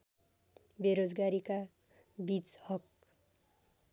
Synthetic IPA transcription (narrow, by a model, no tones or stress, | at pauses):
beɾod͡zɡaɾika | bit͡shʌk̚